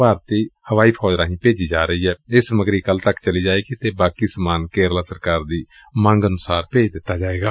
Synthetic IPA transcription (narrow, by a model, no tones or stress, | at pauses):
aːɾt̪iːhəʋaːiːpʰɔːd͡ʒɾaːɦĩːpeːd͡ʒiːd͡ʒaːɾəiːɦɛːɪsəməɡɾiːkəlt̪əkt͡ʃəliːd͡ʒaːeːɡit̪eːbaːkiːsəmaːnkeːɾlaːsəɾkaːɾd̪iː | mãŋɡənʊsaːɾpeːd͡ʒd̪ɪt̪ːaːd͡ʒaːeːɡaː